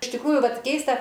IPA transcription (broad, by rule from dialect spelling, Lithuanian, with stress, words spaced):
ɪʃ tʲɪkˈruːjʊ ˈʋɐt ˈkʲɛɪstɐ